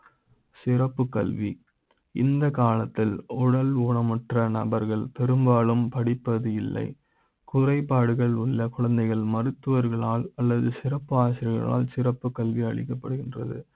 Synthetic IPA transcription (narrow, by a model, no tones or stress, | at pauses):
sɪrɐpːɯkːɐ̰lʋi | ɪ̰nd̪ɐkaːlɐt̪ːɪlʊɽɐluːɳɐmɐʈrɐnɐbɐɾɣɐɭpɛɾɯmbaːlɯmpɐɽɪpːɐðɯɪlːɐ̰ɪ | kʊrɐɪpːaːɽɯɣɐɭʊɭːɐkʊɻɐnd̪ɐɪɣɐɭmɐɾɯt̪ːɯʋɐɾɣɐɭaːlɐlːɐðɯsɪɾɐpːɯaːsɪɾɪɣɐ̰ɭa̰ːlsɪrɐpːɯkːɐlʋiɐɭɪ̰kːɐpːɐɽɯɣɪndrɐ̰ðɯ̰